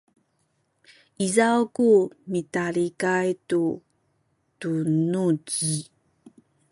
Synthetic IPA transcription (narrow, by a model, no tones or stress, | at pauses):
izawkumitaɾikajtu | tunuɟi